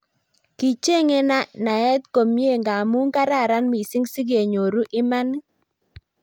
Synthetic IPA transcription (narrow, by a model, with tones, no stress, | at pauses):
ki˨t͡ʃe˦ŋe˦na˦na˨ɛ˦t̪ko˨mje˦˨ŋɡa˨mu˦ŋka˦ɾa˦˨ɾa˦nmi˨sɪ˦ŋsi˦ɡe˨ɲo˨ɾu˦ʔɪ˦ma˦n˦